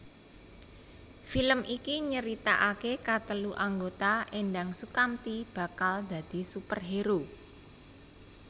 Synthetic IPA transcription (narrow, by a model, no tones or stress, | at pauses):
filəmʔikiɲəɾit̪aʔakekat̪əluʔaŋɡot̪aʔenɖaŋsukamt̪ib̥ä̤kald̪̥ä̤d̪̥i̤supərɦeɾu